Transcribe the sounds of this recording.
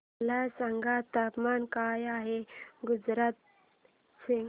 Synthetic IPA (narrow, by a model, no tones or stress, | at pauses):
lasaŋɡʱat̪apmankajaɦeɡud͡zɾat̪̚ | si